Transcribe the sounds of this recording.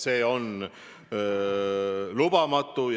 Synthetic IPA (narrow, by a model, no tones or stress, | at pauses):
se̞ːo̞n | lub̥ɑmɑt̪ːˑuj